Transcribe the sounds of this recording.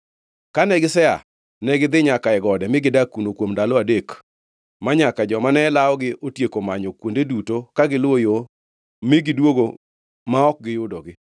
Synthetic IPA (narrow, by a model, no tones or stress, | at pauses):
kanɛɡɪsɛa̰ | nɛɡɪd̪ɪɲakaɛɡɔdɛmɪɡɪdakunokwomndalɔadek | maɲakad͡ʒɔmanɛlaɔɡɪʔotjekomaɲokwondedutokaɡɪlwojo | mɪɡɪdwoɡo | maɔk̚ɡɪjʊdɔɡɪ